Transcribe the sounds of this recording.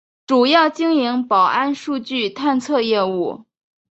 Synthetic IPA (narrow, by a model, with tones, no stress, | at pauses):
ʈ͡ʂu˨˩jɑ˥˩ʊt͡ɕi˥ŋi˧˥ŋpɑ˨˩ʊa˥nʂu˥˧t͡ɕy˥˧t̪ʰa˥˧nt͡sʰɤ˥˧jɛ˥˧u˥˩